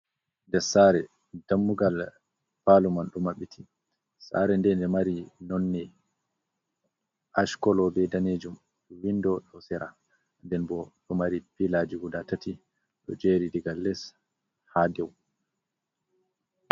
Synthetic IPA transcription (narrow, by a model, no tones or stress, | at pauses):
ndɛsaːɾɛ | d̥amːuɡal | falumanɗumaɓitʰi | sa̰ɾɛndɛndɛmaɾinɔnːɛ | ʔaʃkɔlɔbɛdaneːd͡ʒum | windɔɗɔsɛɾa | ndɛnbɔɗɔmaɾipilad͡ʒiɡudatati | ɗɔ̰d͡ʒeːɾidiɡalːɛs | hadɛw